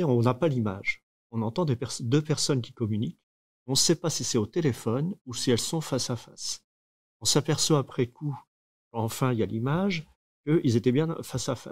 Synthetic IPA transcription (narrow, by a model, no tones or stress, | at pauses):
eɔ̃napalima̰ʒ | ɔ̃nɑ̃t̪ɑ̃d̪epɛʁsd̪øpɛʁsɔnkʲi̥kɔmynik | ɔ̃sɛpasisɛot̪elefɔnusiɛlsɔ̃fasafas | ɔ̃sapɛʁswaːpχɛku | kɑ̃fɛ̃ilja̰limaʒ | kəilzet̪ɛbjɛ̃fasafa̰